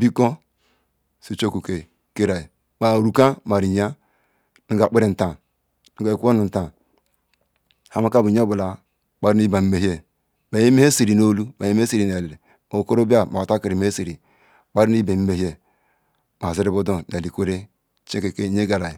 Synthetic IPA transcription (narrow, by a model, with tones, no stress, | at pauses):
bi˦ko˦ | si˨t͡ʃo˦ku˨ke˨ | ke˦ɾa˨ji˨ | ma˨ɾu˨ka˦ma˨ɾi˨ɲa˦ | ni˦ɡa˨k͡pe˦ɾe˨n̩˨ta˨ | nu˨˦ɡa˨e˨ku˦o˦nu˨n̩˨ta˨ | ha˦ma˦ka˦bu˨ɲo˦bu˨la˨ | k͡pa˦ɾi˦ni˦i˦ba˨m̩˦me˨ɦe˦ | ma˨je˦me˦e˦si˨ɾi˨no˦lu˦ba˨je˦m˦si˨ɾi˨ne˨le˨le˨ | o˨ko˦ɾo˦ba˦ma˨a˨ta˦ki˨ɾi˨me˦e˦si˨ɾi˨ | k͡pa˦ɾi˦n˦ba˨m̩˦me˨hi˦e˦ | m˨a˨zi˦ɾi˦bo˦do˦na˨li˨kʷo˦ɾe˦ | t͡ʃẽ˦ke˨ke˦ɲe˦ɡa˨ɾa˨ji˨